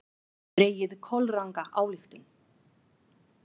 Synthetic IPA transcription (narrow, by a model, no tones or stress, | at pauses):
ɾeːjɪðkʰɔlraŋkaʔaːwlixt̪ʏm